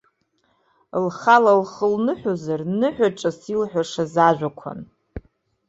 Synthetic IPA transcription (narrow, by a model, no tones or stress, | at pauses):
lχalalχəlnɨħʷᶣozarnɨħᶣʷaʈ͡ʂʼasilħʷᶣaʂazaʒʷᶣakʷʰa̰n